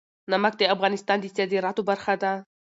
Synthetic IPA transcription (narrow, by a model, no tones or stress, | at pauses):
nɐmɐk̚t̪eɐfɣanist̪aːnd̪it͡s̪jad̪iɾat̪ubɐɾxat̪a